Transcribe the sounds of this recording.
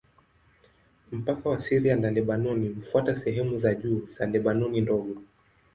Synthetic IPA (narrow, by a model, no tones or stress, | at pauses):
m̩pakawasiɾijanalɛɓanɔnim̩fuatasɛɦɛmuzaʄuːz̥alɛɓanɔnindɔɠɔ